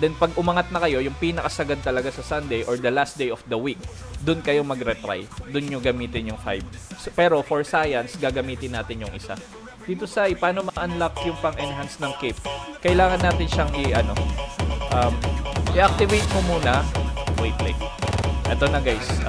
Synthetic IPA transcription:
d̪ɛnpɐɡ̚ʊmɐŋat̪̚nɐkɐjo̞jʊŋpiːnɐkɐsɐɡad̪̚t̪ɐlɐɡasɐsɐnd̪ejʔoɹd̪ɐlast̪̚d̪ejofd̪ɐwik̚ | d̪ʊnkɐjo̞mɐɡɾɛt̪ɾa̰jd̪ʊnjoɡɐmiːt̪ɪnjʊŋfa̰jbspɛːɾo̞foɹsajɐnsɡaɡɐmiːt̪ɪnːaːt̪ɪnjʊŋʔɪsa̰ | d̪̥iːt̪o̞sɐʔɪpaːnomɐʔɐnlakjʊŋpɐŋʔɛnɦansnɐŋkɪp̚kɐʔɪlaːŋɐnːaːt̪ɪnʃɐŋʔɪʔɐno̞ʔɐmʔɪʔɐk̚t̪ɪvejt̪̚momuːnɐwojplɛ̰j | ʔɛt̪onɐɡajs

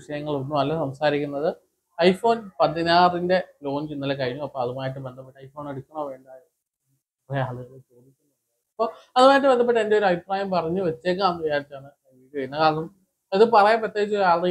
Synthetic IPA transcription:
iʂɐjɐŋːɐɭonːunɐlːɐsɐmsaːɾikʲːunːɐðɨ | ɐjfo̞ːnpɐðinaːrinde̞lo̞ːnd͡ʑinːɐlːɐkɐjinuɐpːoːɐðumaːjiʈ̬ːɨbe̞nd̪ɐpːeʈːɐjfo̞ːneɽukʲːuɳɐʋe̞ːɳɖaːj | pːojaːɭuɣɐɭt͡ɕo̞ːd̪ikʲːunːɐ | ɐpːoɐðumaːjiʈ̬ːɨbend̪ɐp̬ːeʈːɐende̞oɾuɐbipraːjɐmpɐrɐɲːuʋet͡ɕːeːk̬ːaːnːuʋejaːiʈːaːɳɨ | ʋiːɖiɐjnːɐkaːlɐɐm | ɐðɨpɐrɐjɐmpɐt̪ːeɣit͡ɕːujaːɭɨ

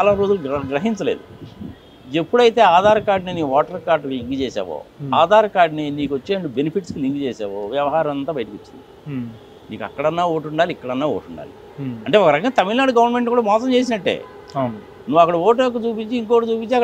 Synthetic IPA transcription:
aːlaːɾo̞ːd͡ʒuluɡɾɐɦiɲt͡ʃɐleːd̪u | epːuɽɐjt̪e̞ːaːd̪ʱaːɾɐkaːɾʈniniʋɔːʈɐɾkaːɾʈliŋkt͡ʃɛːsa̰ːʋo̰ːaːd̪ʱaːɾɐkaːɾʈniniːkʋot͡ʃːeːɐɳɖubenipʰiʈskiliŋkt͡ʃɛːsaːʋoːʋjɐʋɐɦaːɾɐmɐnt̪aːbɐjɐʈikit͡ʃːind̪i | niːkuɐkːɐɽɐnːaːoːʈuɳɖaːliikːɐɽɐnːaːo̰ːʈuɳɖa̰ːli | ɐɳʈeɔkɐɾɐkɐŋɡɐt̪ɐmilnaːɽuɡɐʋɐɾnmeɳʈkuːɽaːmɔːs̬ɐmt͡ʃe̞ːs̬inɐʈːḛː | nuʋɐkːɐɽɐʋoːʈ̬oːk̬ut͡ʃuːp̬iɲt͡ʃiːŋkoːʈut͡ʃuːpiɲt͡ʃiaːkː

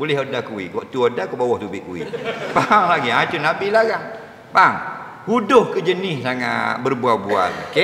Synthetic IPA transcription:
bulɛɦodakuḭkaʔt̪uadakobawɔht̪ubiʔkuḭbaŋlaɡiat͡ʃunabilaɡaŋ | baŋ | hudʊhkəd͡ʒənɪssaŋa̰t̪̚bərbuabua̰lke

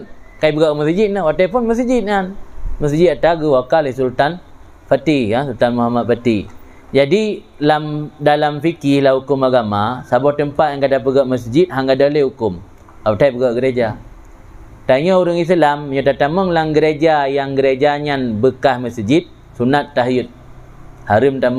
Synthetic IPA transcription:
nkaipəɡaʔməsd͡ʒɪt̪̚nəwat̪ajpunməs̬d͡ʒit̪̚ɲanməsd͡ʒit̪̚at̪aɡəwakaləs̬ult̪an | fat̪ijasult̪anmuɦamat̪̚fat̪i | d͡ʒadi | lamdalamfikɪhlahukʊmaɡamasabɔht̪əmpat̪̚jaŋkadapəɡaʔməsd͡ʒit̪̚ɦaŋɡadalehukʊm | aət̪aipəɡaʔɡəɾed͡ʒa | t̪aiɲauɾəŋis̬lamɲət̪at̪aməŋlaŋɡəɾed͡ʒajaŋɡəɾed͡ʒaɲanbəkahməsd͡ʒit̪̚ | sunat̪ːaɦjut̪̚ | haɾimt̪am

